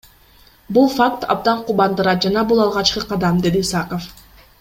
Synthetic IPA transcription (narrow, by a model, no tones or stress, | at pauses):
bulˠfakt̪ʰɑ̰b̚d̪ɑɴqubɑnd̪ɯɾɑt̪̚d͡ʒɑnɑbulˠɑlˠʁɑt͡ʃqɯqɑd̪ɑmd̪e̞d̪iːsakof